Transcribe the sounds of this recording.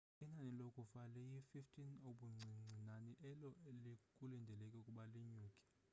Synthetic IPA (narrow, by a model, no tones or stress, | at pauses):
inanilokʼufalɛjififtʰinoɓuŋ͡ǀʱiŋ͡ǀʱinaniʔɛlɔelikʼulindʱɛlɛkʼɛukʼuɓaliɲuːkʼi̥